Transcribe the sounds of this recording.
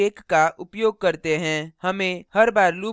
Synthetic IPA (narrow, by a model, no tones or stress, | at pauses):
eːkːaʔʊpjoːɡ̚kɐɾt̪eɦɛ̃hɐmẽhɐɾbaːɾluː